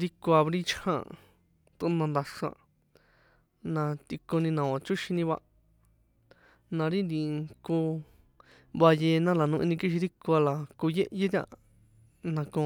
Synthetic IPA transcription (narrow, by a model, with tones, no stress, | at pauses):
ɾi˦ko˧a˧βɾĩ˦t͡ʃʰhã̰˦˨ | t̪u˧˦nã˧nd̪a˧ʂã̰˧˨ | nã˧t̪i˧kõ˧nĩ˧nã˨ã˨t͡ʃu˦ʃĩ˧nĩ˧βa̰˧ | nã˧ɾi˦nd̪ĩ˧˨˧ku˧ | βa˧jeː˧nã˦la˨nũ˧ʔḭ̃˧nĩ˧ki˧ʃ̬i˧ɾi˦ko˧a˧la˨ku˧je˦ʔje˦t̪ʲã̰˧ | nã˧kõ˧